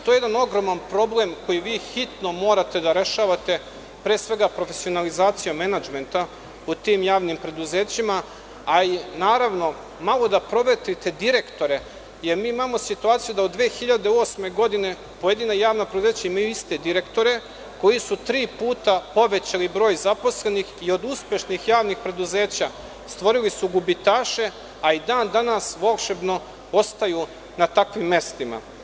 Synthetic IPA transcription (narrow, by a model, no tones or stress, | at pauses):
t̪ojejed̪ano̞ɡɾo̞manpɾo̞blemko̞jiʋiːxit̪nomo̞ːɾat̪e̞d̪aɾe̞ʃaːʋat̪e̞ | pɾeːsʋe̞ɡapɾo̞fesio̞nalizaːt̪sijomenad͡ʒme̞nt̪a | ut̪iːmjaːʋnimpɾe̞d̪uze̞ːt͡ɕimaː | inaːɾaʋno̞ | malˠo̞d̪apɾo̞ʋet̪it̪e̞d̪iɾe̞kt̪o̞ɾe | je̞ɾmiːimaːmo̞sit̪uaːt̪sijud̪aod̪d̪ʋeːxiʎad̪eo̞sme̞ɡo̞d̪ine̞ | poje̞d̪inajaːʋnapɾe̞d̪uze̞ːt͡ɕaimajuist̪e̞d̪iɾe̞kt̪o̞ɾe̞ | ko̞jisut̪ɾiːpuːt̪apo̞ʋe̞t͡ɕalibɾo̞ːjzapo̞sle̞nixio̞d̪uspje̞ʃnixjaːʋnixpɾe̞d̪uze̞ːt͡ɕa | st̪ʋo̞ɾilisuɡubit̪aːʃe̞ | aid̪aːnd̪anasʋokʃebno̞ | o̞st̪aju | nat̪akʋimːe̞st̪ima̰